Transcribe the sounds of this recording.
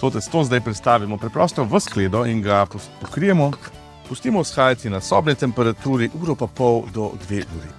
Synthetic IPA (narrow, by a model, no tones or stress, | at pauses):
t̪ot̪ɛst̪oːzd̪ajpɾɛt̪st̪aːʋimɔpɾɛpɾɔst̪ɔʋəskleːd̪ɔinɡappɔkɾijɛmɔ | pust̪iːmɔwsxaːjat̪inasɔːbnɛt̪ɛmpɛɾat̪uːɾiʔuːɾɔpapɔwd̪ɔd̪ʋeʔuːɾḭ